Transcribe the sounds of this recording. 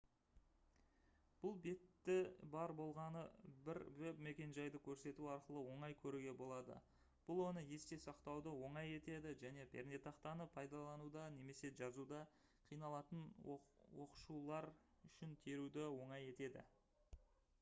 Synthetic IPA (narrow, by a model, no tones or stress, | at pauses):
b̥ʊlˠbe̞t̪ːɪbɑɾbo̞lˠʁɑnəbɪɾwʏpme̞kʲe̞nʒɑjd̪əkʲʰɵɾse̞t̪uɑɾqəlˠəwo̞ɴɑjkʲʰɵɾuɡʲe̞bo̞lˠɑd̪ə̰ | b̥ʊlˠwo̞nəje̞st̪e̞sɑqt̪ɑwd̪əwo̞ɴɑje̞t̪e̞d̪ɪʒæne̞pʰe̞̰ɾnet̪ɑqt̪ɑnəpʰɑjd̪ɑlˠɑnud̪ɑne̞me̞se̞ʒɑzud̪ɑ | qʰijnɑlˠɑt̪ənwo̞qə̥ʃulˠɑɾ | ʏʃɪnt̪ʰeɾud̪ɪwo̞ɴɑje̞t̪e̞d̪ɪ̰